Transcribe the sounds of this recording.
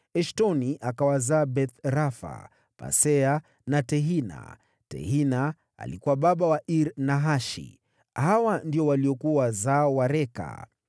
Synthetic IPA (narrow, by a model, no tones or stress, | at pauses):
ɛʃtɔniʔakawazaːbɛθɾafa̰ | pa̰sɛa | natɛɦina̰ | tɛ̰hina | a̰likuwaɓaɓawaʔiɾnaɦaʃḭ | hawandiɔwaliɔkuawazaːwaɾɛka̰